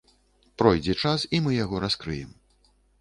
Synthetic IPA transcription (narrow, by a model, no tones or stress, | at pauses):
pɾɔjd͡zʲɛt͡ʂasimɨjaɣɔɾaskɾɨjɛm